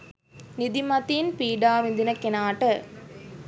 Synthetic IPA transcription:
nɪðɪmɐt̪inpiːɖaːʋɪnd̪ɪnɐkːɛnaːʈɐ

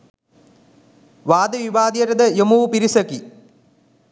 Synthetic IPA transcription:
ʋaːd̪ɐʋiʋaːd̪jɐɾɐd̪ɐjomupiɾisɐki

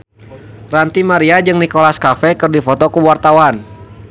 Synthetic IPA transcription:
rant̪imaɾiad͡ʒɨŋnikolaskafɛkɨrdifɔt̪ɔkəwart̪awan

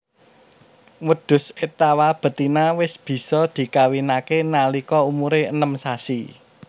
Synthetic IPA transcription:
wəɖ̪̥ʊ̤set̪awab̥ə̤t̪inawɪsb̥i̤sɔd̪̥i̤kawinakenalikɔumuɾeənəmsasi

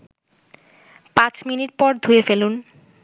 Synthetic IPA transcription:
pãt͡ɕminiʈ̚pɔɾd̪ʱuefelun

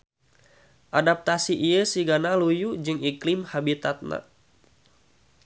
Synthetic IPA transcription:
ʔadap̚t̪asiʔijəsiɡanalujud͡ʒɨŋiklɪmhabit̪at̪̚na̰

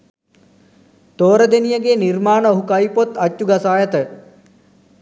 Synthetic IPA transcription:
t̪oːɾəd̪enijəɡeːnirmaːnəoɦukɐjpot̪ːɐtːuɡɐsaːjət̪ə

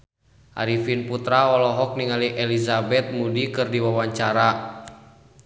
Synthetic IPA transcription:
ʔa̰ɾifinput̪ɾaɔlɔɦɔk̚niŋaliʔɛlizabɛt̪̚mudikɨrdiwawaɲt͡ʃaɾa

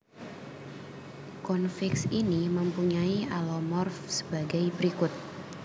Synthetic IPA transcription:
kɔnfɪksiniməmpuɲaiʔalɔmɔrfsə̥baɡajbəɾikʊt̪̚

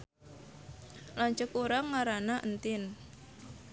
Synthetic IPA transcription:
laɲt͡ʃʊkuɾaŋaɾanaʔənt̪ɪn

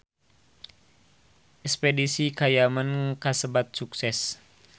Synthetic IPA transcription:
ʔɛkspedisikajamankasəbat̪̚suksɛs

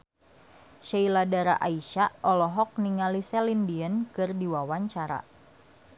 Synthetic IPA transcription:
ʃailadaɾaʔaiʃaʔɔlɔɦɔk̚niŋalisɛlindiənkɨrdiwawaɲt͡ʃaɾa̰

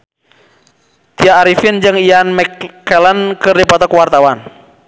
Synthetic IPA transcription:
t̪iaːɾifind͡ʒɨŋianmɛkːɛlənkɨrdipat̪ɔkwart̪awan

